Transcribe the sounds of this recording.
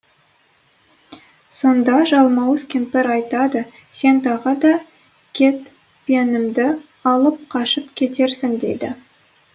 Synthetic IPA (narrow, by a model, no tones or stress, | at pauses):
so̞nd̪ɑʒɑlˠmɑwəzkʲʰempɪɾɑjt̪ɑd̪ə | se̞nt̪ʰɑʁəd̪ɑ | kʲʰe̞t̪ | pijenɪmd̪ɪ | ɑlˠəp̚qʰɑʃəpkʲʰe̞t̪e̞ɾsɪŋd̪ḛjd̪ɪ